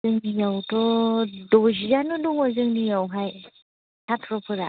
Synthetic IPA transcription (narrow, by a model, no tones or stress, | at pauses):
ɯŋdijawtɔdɔzizanɔdɔŋɔzɯŋnijawɦaj | tʰatʰɾɔpʰɯɾa